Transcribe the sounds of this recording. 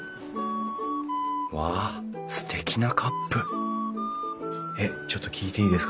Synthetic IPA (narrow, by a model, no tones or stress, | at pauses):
βa | sɨ̥t̪ʰe̞kʲinakʰapːɯ | et͡ɕo̞t̪ːokʲiːt̪e̞iːd̪e̞sɨ̥k